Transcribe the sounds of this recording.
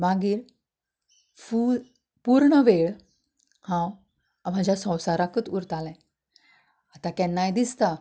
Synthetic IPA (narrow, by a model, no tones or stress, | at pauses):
maɡiːɾ | fu | puɾɳəʋeɭ | hãw | m̤ad͡ʑʱjasə̃wsaɾakət̪uɾt̪alɛ̃ | at̪ãkɛnːajd̪ist̪a